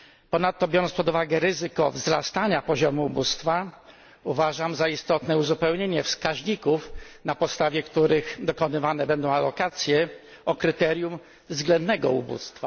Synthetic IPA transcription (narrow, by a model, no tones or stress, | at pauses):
pɔnat̪ːɔbʲjɔɾɔnspɔd̪uvaɡɛɾɘzɘkɔvzɾast̪aɲapɔʑɔmuːbust̪fa | uvaʐamzaist̪ɔt̪nɛuzupɛwɲeɲɛfskaʑɲikufnapɔt̪st̪avʲjɛkt̪uɾɘxd̪ɔkɔnɘvanɛbɛnd̪ɔ̃w̃alɔkat̪sʲjɛ | ɔkɾɘt̪ɛɾjum | vzɡlɛnd̪nɛɡɔubṵst̪fa